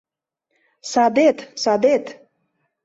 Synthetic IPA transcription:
sad̪et̪sad̪et̪

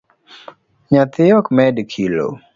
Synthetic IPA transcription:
ɲat̪ɪɔkmɛdkʰilo̰

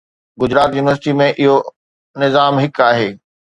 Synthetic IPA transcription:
ɡʊd͡ʑɪɾaːt̪juːnɪʋəɾsɪʈimẽʔɪɦo | nɪzaːmɦɪkaːɦeː

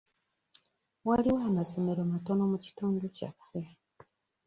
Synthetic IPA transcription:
waliwaːmazomeɾomato̞no̞muci̥tuːnduca̰fe

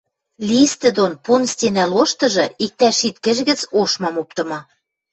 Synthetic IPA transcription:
lʲist̪ɘ̆d̪onpunst̪ʲenæloʃt̪ɤ̆ʒɤ̆ik̚t̪æʃit̪kɘ̆ʒ̆ɣɘ̆t͡soʃmɑmop̚t̪ɤ̆mɑ

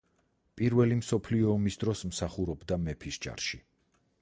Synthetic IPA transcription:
pʼiɾvɛlimsɔpʰliɔːmisd̪ɾɔsmsaχuɾɔbd̪amɛpʰisd͡ʒa̰ɾʃi

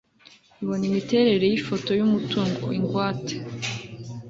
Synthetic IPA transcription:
iβo̞nimite̞ɾe̞ɾe̞jifo̞to̞jumutuŋɡo̰iŋɡwaːtʰe̥

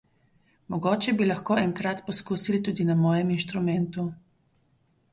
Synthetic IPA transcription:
mɔɡoːt͡ʃɛbilɐxkoːɛŋkɾat̪pɔskuːsilit̪uːd̪inamɔːjɛminʃt̪ɾumɛnt̪u

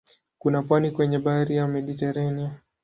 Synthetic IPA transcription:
kunapwanikwɛɲɛɓaɾijamɛɗitɛɾania

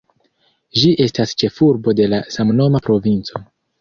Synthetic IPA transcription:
d͡ʒiʔe̞stast͡ʃe̞fuɾbo̞de̞lasamno̞mapɾo̞vint͡so̞

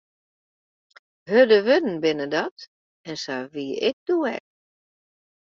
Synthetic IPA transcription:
hødəʋødn̩bɪnədɔt | ɛnsaʋiɪ̰k̚d̥uɛ̰k̚

